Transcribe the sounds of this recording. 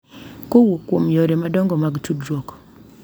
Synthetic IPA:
kowokwomjoɾemadɔŋɡɔmaɡtudɾwɔkɔ̥

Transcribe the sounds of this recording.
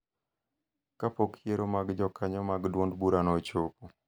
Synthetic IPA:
kapokjeɾomaɡd͡ʒɔkʰaɲɔmaɡdwondbuɾanɔt͡ʃopo

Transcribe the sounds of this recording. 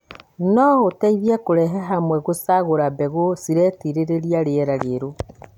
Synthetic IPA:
nɔotɛiβjɛkoɾɛɦɛɦamwɛɣosaɣoɾabɛɣosiɾɛtiɾeɾeɾiaɾeɛɾaɾeɾo

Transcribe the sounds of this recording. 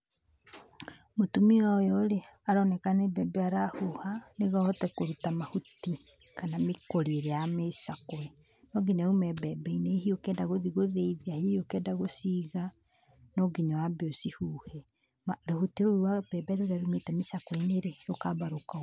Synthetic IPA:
motumiɔjɔɾeaɾɔnɛkanebɛbɛaɾahuhaneɣɔɔtɛkoɾutamahuti | kanamekoɾieɾeameʃakoɛ | nɔɡiɲaumɛbɛbɛineɦiokɛːdaɣoðiɣoðeiðeahehiokɛdaɣosiɣa | nɔɡiɲawabeosihuːhɛ | aɾohutiɾoɾwab̥ɛbɛɾeoɾeaɾumetɛmeʃakweneɾejokabaɾoka

